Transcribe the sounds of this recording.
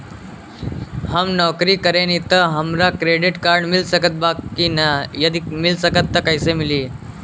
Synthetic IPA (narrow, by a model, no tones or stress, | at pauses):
həmnɔkɾiːkəɾenit̪əɦəmɾakɾeɖiʈkaɾɖmilsəkət̪̚bakːinəjəd̪imilsəkət̪ːəkəjsemiliː